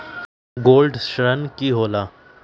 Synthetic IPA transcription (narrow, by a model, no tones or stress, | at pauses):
ɡoːlɖʃɾənkiɦoːlaː